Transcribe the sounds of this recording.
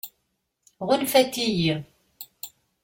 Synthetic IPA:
ʁʊnfæt̪ːijiʁ

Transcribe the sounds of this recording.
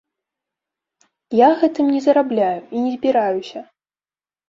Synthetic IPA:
jaɣɛt̪ɨmnʲɛzɐɾablʲajuʔinʲɛzʲbʲiɾajusʲɐ

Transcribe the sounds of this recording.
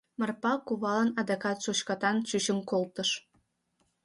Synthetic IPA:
mərpɑkuβɑlənɑd̪ɑkɑt̪ʃot͡ɕkɑt̪ɑnt͡ɕyt͡ɕəmkolt̪əʃ

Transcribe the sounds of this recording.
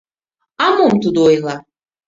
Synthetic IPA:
amɔmt̪ud̪ɔjlˠa

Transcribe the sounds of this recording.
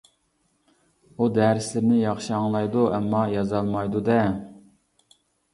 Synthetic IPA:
ud̪ɛɾɪslɪɾnɪjɑχʃiɑŋlˠɑjd̪uɛmːɑjɑzɑlˠmɑjd̪ud̪ɛ

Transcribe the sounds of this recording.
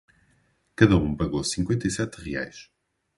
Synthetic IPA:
kɐðɐũpɐɣosĩŋkwẽnt̪ɐisɛt̪ʁia̰jʃ

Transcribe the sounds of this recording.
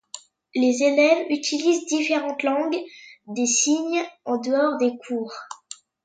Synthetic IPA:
lezelɛvyt̪ʰilizd̪ifeʁɑ̃t̪lɑ̃ɡd̪esiɲɑ̃d̪əɔʁd̪ekʰuːʁ

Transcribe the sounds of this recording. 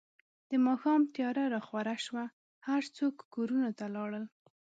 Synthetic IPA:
d̪̥əmɑxɑmt̪jɑɾaɾɑxwaɾaʃwa | haɾt͡sokːoɾunat̪alɑɽəl

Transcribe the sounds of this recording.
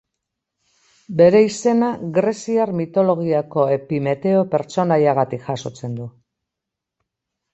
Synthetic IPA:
be̞ɾe̞ise̞naɣɾe̞siaɾmit̪o̞lo̞ɣ̞iako̞e̞pime̞t̪e̞o̞pe̞ɾt͡so̞najaɣ̞at̪ikʝaso̞t͡se̞nd̪u

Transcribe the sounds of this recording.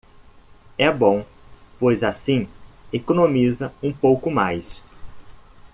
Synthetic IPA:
ɛbõw̃ | pojzasĩekonõmizɐũpowkʊmajs

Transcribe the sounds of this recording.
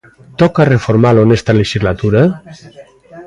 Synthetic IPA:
t̪ɔkarefoɾmalonest̪aleʃizlat̪uɾa

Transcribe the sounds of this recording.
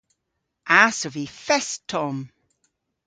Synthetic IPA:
ʔasɔvifɛstʰːɔm

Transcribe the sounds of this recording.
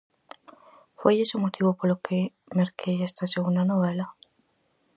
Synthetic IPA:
fwejesomot̪ʰiβopoɾlokʰe | meɾkʰejest̪aseɣund̪anoβela

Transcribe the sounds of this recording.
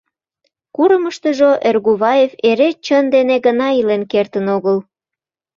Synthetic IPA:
kuɾəməʃt̪əʒoʔerɣuβɑjeveɾet͡ɕənd̪eneɣənɑilenkert̪ənoɣəl

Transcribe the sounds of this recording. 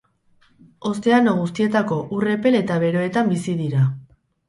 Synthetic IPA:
o̞st̪e̞anoɣ̞ust̪ie̞t̪ako̞ʔure̞pe̞le̞t̪aβe̞ɾo̞e̞t̪ambisiðiɾa

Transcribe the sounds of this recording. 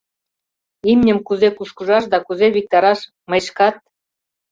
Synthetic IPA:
imnʲə̆mkuzekuʃkuʒɑʃ̬d̪ɑkuzeβik̚t̪ɑɾɑʃ | məʃkɑt̪̚

